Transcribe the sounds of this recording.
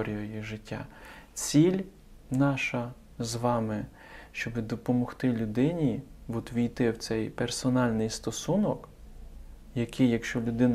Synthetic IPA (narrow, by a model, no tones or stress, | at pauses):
ɔɾʲijɔjʊʒɪtʲːa̰t͡sʲilʲ | nɑʃɐ | zʋɑmɪ | ʃt͡ʃɔbɪd̪ɔpɔmɔxt̪ɪlʲʊd̪ɪnʲiʋɔt̪ʋʲijt̪ɪwt̪sɛjpersɔnɑlʲnɪjst̪ɔsunɔk | jɐkɪjjːɐkʃt͡ʃɔlʲʊd̪ɪn